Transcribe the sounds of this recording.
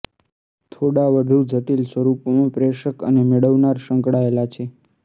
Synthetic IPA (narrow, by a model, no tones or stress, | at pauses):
t̪ʰoɽaʋəd̪ʱud͡ʒʱəʈilsʋəɾupomãpɾeʃəkə̰nemeɽəʋnaɾʃə̃ŋkɽaelat͡ʃʰe